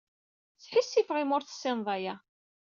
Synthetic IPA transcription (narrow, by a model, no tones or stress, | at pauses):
θħisːifʁɪmʊɾθsːɪnðˤɑjæ